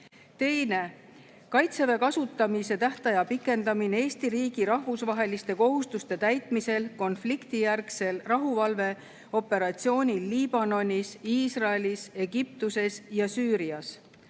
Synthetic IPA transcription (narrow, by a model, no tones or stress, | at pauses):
t̪e̞jne̞ | kɑjt̪se̞ve̞kɑsut̪ːˑɑmise̞t̪æht̪ɑjɑpikːˑe̞nd̪ɑminee̞ːst̪iɾiːɡ̥iɾɑɦvusvɑɦe̞list̪e̞ko̞ɦust̪ust̪e̞t̪æjt̪ˑmise̞lko̞nflikt̪ijærkse̞lrɑɦuvɑlve̞ | o̞pːˑe̞ɾɑt̪sio̞ːnʲiːiːb̥ɑno̞nʲisiːsrɑelise̞ɡip̚t̪use̞sjɑsyːɾiɑs